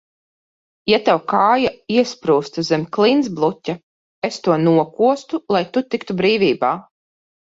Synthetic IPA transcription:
jat̪awkaːjaiɛspɾuːst̪uzɛmʲklˠins̬blˠutʲa | est̪uɔnuɔkuɔst̪ulˠajt̪ut̪ikt̪ubɾiːvʲiːbaː

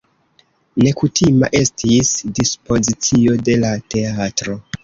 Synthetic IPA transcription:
ne̞kutʰima̰ʔe̞stʰisdispo̞zit͡sio̞de̞late̞atɾo̞

